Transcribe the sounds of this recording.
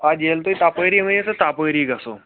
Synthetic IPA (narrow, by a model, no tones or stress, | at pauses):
ad͡ʑjelt̪oit̪apəɾiːmə̃esət̪apəɾiːɡʱaso̰